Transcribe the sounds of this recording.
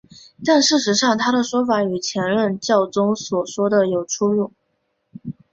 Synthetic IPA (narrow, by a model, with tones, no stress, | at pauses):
t̪a˥˧nʂɻ̩˥˩ʂɻ̩˧˥ʂɑ˥˩ŋt̪ʰa˥ɾə˨ʂwɔ˥fa˧˥y˨˩t͡ɕʰjɛ˧˥nɻə˥˧nt͡ɕjɑ˥˩ʊt͡sʊ˥ŋswɔ˨˩ʂwɔ˥d̪ə˨jo˨˩ʊʈ͡ʂʰu˥ɻu˥˩ŋ